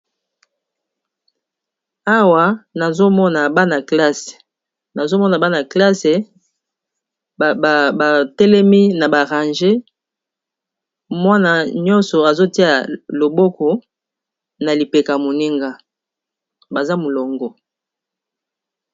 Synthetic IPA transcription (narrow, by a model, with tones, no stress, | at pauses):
a˦wa˨na˨zo˦mɔ˦na˨ba˦na˨kla˦se̥˨ | na˨zo˦mɔ˦na˨ba˦na˨kla˦se˨ | ba˨tɛ˦lɛ˦mi˦na˨ba˨ʁa˨nʒe˦ | mwa˦na˨ɲɔ˦nsɔ˨a˨zo˦ti˦a˨lo˨bɔ˦kɔ˨ | na˨li˨pe˨ka˨mo˨ni˦ŋɡa˦ | ba˨za˦mo˨lɔ˨ŋɡɔ˨